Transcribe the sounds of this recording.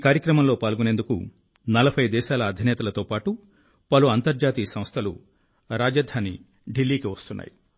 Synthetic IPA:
ikaːɾjɐkɾɐmɐmlo̞ːpaːlɡune̞nd̪ukṵ | nɐlɐbʰʱɐjd̪ɛːʃaːlɐːd̪ʱinɛːt̪ɐlɐt̪o̞ːpaːʈu | pɐluɐnt̪ɐɾd͡ʒaːt̪iːsɐmst̪ʰɐlṵ | ɾaːd͡ʒɐd̪ʱaːni | ɖilːiːkiʋɐst̪unːʔa̰ːji

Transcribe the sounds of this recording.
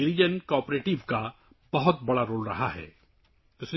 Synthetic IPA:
ɪɾid͡ʒənkɔːpɾeːʈɪʋka | b̥ɐɦʊt̪̚bɐɽaɾoːlɾɐɦaɦɛ̰ː | ʊsn

